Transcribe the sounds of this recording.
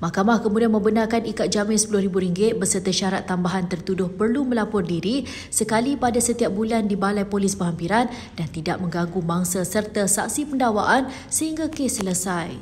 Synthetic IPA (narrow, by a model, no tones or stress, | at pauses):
mahkamahkəmudianmə̃mbənarkanikat̪̚d͡ʒamɪnsə̥pulʊhɾibuɾiŋɡɪt̪̚bəsərt̪aʃaɾat̪ːambaɦant̪ərt̪udʊhpərlumə̃lapʊrdiɾi | səkalipadasət̪iap̚bulandibalajpolɪsbəɦampiɾan | dant̪idaʔ̚mə̃ŋɡaɡumaŋsasərt̪asa̰k̚sipəndawaʔan | səɦiŋɡakesːələsaj